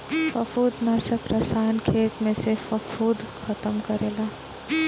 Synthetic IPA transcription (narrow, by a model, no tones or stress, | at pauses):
fəkʰuːd̪nasepɾəsaːnkʰeːt̪mẽsefəkʰuːd̪kʰət̪əmkəɾeːlaː